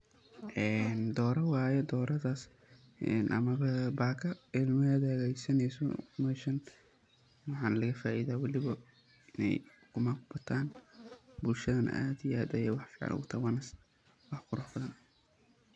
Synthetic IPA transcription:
ʔɛːnd̪ɔːɾɐwɑːjɛd̪ɔːɾɐðaːs | ɛnʔɐ̰mɐβɐbaːkʰɐɪlmɐɐðɛːɣɛjsɐnɛsɔ̰mɛʃɐn | wɑħɑːnlɐɣɐfaːʔiːðaːwɑlɪβɐ | ɪnɛ̰j | kʰʊmakʊbɐt̪ʰaːn | bʊlʃɐðɐn̰ʔaːd̪ijʔaːd̪ɐjɛ̰ːwɑħfiːʕɑ̰lʔʊ̰ɣʊt̪ʰɐwɐnɐs | wɑħkʰʊɾɐħbɐðɐnɐ

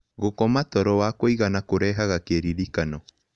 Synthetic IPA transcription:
ɣokɔmatɔɾɔwakoiɣanakoɾɛɦaɣakeɾiɾikanɔ

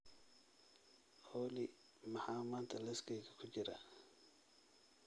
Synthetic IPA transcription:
hɔːlɪ | mɑħaːmaːnt̪ʰɐlɛskʰɛjɣɐkʰʊt͡ʃɪɾɐ

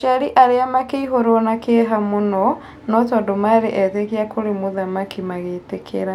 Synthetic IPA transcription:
ʃaɾiʔaɾeamakeiɦoɾɔnakeɦamonɔ | nɔtɔdomaɾeʔɛtekeakʰoɾemoðamakimaɣetekʰḛɾa

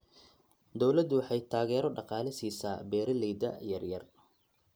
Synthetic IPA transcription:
d̪ɔwlɐd̪wɑħɑjt̪ʰaːɣɛːɾɔɖɑqɑːlɪsiːsaːbɛːɾɐlɛjd̪ɐ̰jɐrjɐr

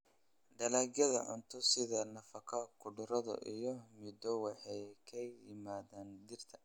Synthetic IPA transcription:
ɖɐlaːɡjɐðɐ̰ʕʊ̰nt̪ʰɔsɪðɐnɐfɐkʰɐkʰʊɖʊɾɐðɐ̰ʔijɔmɪd̪ɔwɑħɛjkʰɛjɪmaːðaːnd̪ɪrt̪ʰɐ̥

